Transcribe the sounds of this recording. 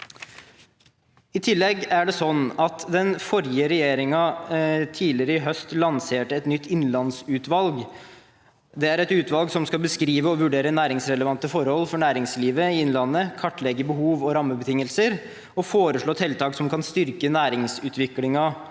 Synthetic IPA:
ɪt̪ʰɪlːɛɡæɖɛsɔnːɑt̪d̪ɛnfɔɾjəɾɛjeːɾɪŋɑt̪ʰiːlɪɾəɪɦœst̪lɑnseːʈəɛt̪nʏt̪ːɪnlɑnsʉːt̪ʋɑlɡ | d̪ɛæɾɛt̪ʉːt̪ʋɑlɡsɔmskɑlbəskɾiːʋəɔʋʉɖeːɾənæːɾɪŋsɾɛləʋɑnt̪əfɔɾhɔlːfɔɳæːɾɪŋsliːʋəɪɪnlɑnːəkʰɑʈːlɛɡəbəɦuːʋɔɾɑmːəbət̪ʰɪŋːəlsəɾ | ɔfoːɾəʂɭoːt̪ʰɛlt̪ʰɑːksɔmkɑnst̪ʏɾkənæːɾɪŋsʉːt̪ʰʋɪklɪŋɑ

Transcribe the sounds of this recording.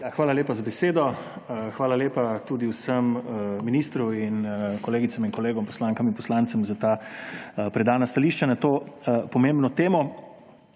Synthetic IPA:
jaxʋaːlaleːpazabɛseːd̪ɔ | xʋaːlaleːpat̪uːd̪iwsəmminiːst̪ɾuinkɔleːɡit̪saminkɔleːɡɔmpɔ̥slaːŋkaminpɔslaːnt̪sɛmzat̪aː | pɾɛd̪aːnast̪aliːʃt͡ʃanat̪oːpɔmeːmbnɔt̪eːmɔ

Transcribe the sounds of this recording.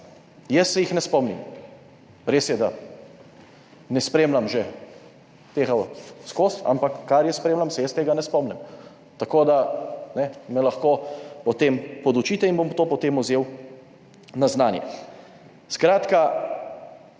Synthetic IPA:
jɛsːɛjixnɛspɔmnḭm | ɾeːsjɛd̪a | nɛspɾeːmlamʒɛ | t̪eːɣaskosa̰mpakːaɾjɛspɾeːmlamsɛjɛst̪eːɡanɛspɔmnɛm | t̪akoːd̪anɛmɛlaxkoːpɔt̪empɔd̪ut͡ʃiːt̪ɛinbomt̪oːpɔt̪eːmuzeːw | naznaːnjɛ̰ | skɾaːt̪ka

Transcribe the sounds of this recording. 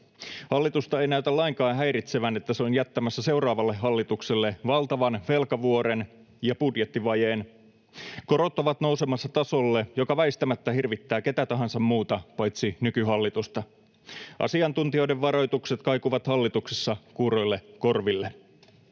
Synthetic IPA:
hɑlːit̪ust̪ɑejnæyt̪ælːɑiŋkɑːnɦæjɾit̪seʋænet̪ːæseo̞njæt̪ːæmæsːæse̞urɑːʋɑlːeɦːɑlːit̪ukselːe̞ʋɑlt̪ɑʋɑnʋe̞lkɑʋuo̞ɾen | jɑpudjet̪ːiʋɑjeːn | ko̞ɾo̞t̪ːoʋɑt̪nowsemɑsːɑt̪ɑso̞lːejo̞kɑʋæist̪æmæt̪ːæhirʋit̪ːæːke̞t̪æt̪ɑɦɑnsɑmmuːt̪ɑpɑjt̪sinykyɦɑlːit̪ust̪ɑ | ʔɑ̰siɑnt̪unt̪io̞jdeʋʋɑɾo̞jt̪ukset̪kɑjkuʋɑt̪hɑlːit̪uksesːɑkuɾo̞jlːeko̞rʋilːe

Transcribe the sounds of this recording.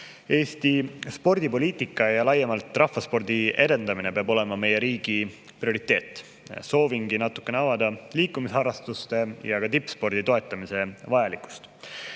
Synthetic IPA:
e̞ːst̪ispo̞rd̪̥ipo̞liːt̪ˑikːˑɑjɑlɑjːemɑlt̪ˑːrɑfːɑspo̞rd̪̥ie̞d̪e̞nd̪ɑmine̞peɑbo̞le̞mɑme̞jeɾiːɡ̥i | prio̞ɾit̪ːˑe̞ːt̪ːˑ | so̞ːviŋɡinɑt̪ːˑu̥kˑːeneɑvɑd̪ɑliːkːˑumisɑrːɑst̪ust̪e̞jɑɡ̥ɑt̪ipːˑspo̞rd̪̥it̪o̞e̞t̪ːˑɑmise̞vɑjɑlikˑu̥st̪

